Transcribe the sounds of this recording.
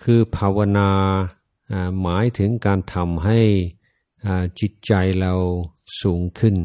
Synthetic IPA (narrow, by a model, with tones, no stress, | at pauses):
kʰɯː˧pʰaː˧wa˧naː˧ | ʔaː˧˩maː˩˦jt̪ʰɯ˩˦ŋkaː˧nt̪ʰa˧mɦa˥˩j | ʔaː˧˩t͡ɕi˨˧˩t̪̚t͡ɕa˧jɾa˧wsuː˩˦ŋkʰɯ˥˩n